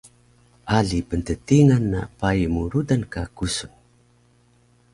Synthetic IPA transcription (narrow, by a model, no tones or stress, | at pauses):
ʔaɮipəntətiŋanːapajmuɾudankakusuŋ